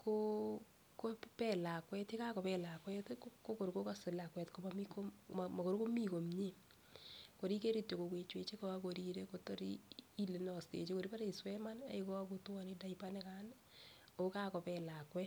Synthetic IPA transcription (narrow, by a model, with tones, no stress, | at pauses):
ko | ko˦pɛ˦la˨kwɛ˦te˦ka˦kɔ˨pɛla˨kwɛ˦tkko˦ko˨ɾko˦ka˦sɪ˨la˨kwɛ˨tko˨mamiko˦mma˨ko˨ɾko˦mi˦ko˨mɲe˦ | ko˨ɾi˦ke˦ɾi˦to˨ko˨kwe˨t͡ʃwe˦t͡ʃe˦ko˦a˦ko˨ɾi˦ɾe˦ko˨to˦ɾḭi˦le˨n˨ɔ˨stḛ˨t͡ʃe˦ko˨ɾi˦pa˦ɾe˦i˨swɛ˦ma˦na̰˨iko˦a˦ku˦twa˦nida˨ipanɛ˦ka˦n | o˨ka˦kɔ˨pɛla˨kwɛ˦